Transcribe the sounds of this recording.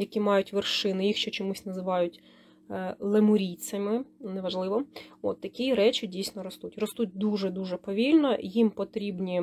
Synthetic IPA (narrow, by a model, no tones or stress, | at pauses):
jɐkʲimɑjʊtʲʋɪrʃɪnɪjixʃt͡ʃɔt͡ʃɔmusʲnɐzɪʋɑjʊtʲ | lˠemʊɾʲit͡s̪ʲɐmɪnɛʋɐʒlˠɪʋɔo̰t̪ːɐkʲiɾɛt͡ʃʲɪdʲijsʲnɔɾɔst̪utʲrɔst̪ut̚ʲd̪uʒɛd̪uʒɛpɔʋʲilʲnɔjimpɔt̪ɾʲibnʲi